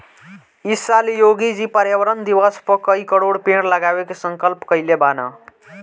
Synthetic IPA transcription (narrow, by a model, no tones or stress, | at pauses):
isalijoɡid͡ʒipəɾjəwəɾənd̪iwəspəkəikəɽoɽpeɽləɡawekesəŋkəlpkəjlebana̰